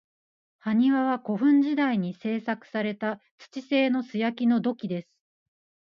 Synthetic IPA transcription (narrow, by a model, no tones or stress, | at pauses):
haɲ̟iβaβako̞ɸɯ̟̃ɲ̟d͡ʑid̪aiɲ̟ise̞ːsakɯ̥saɾe̞t̪a | t͡sɨ̥t͡ɕise̞ːno̞sɨjakʲino̞d̪o̞kʲid̪e̞sɨ̥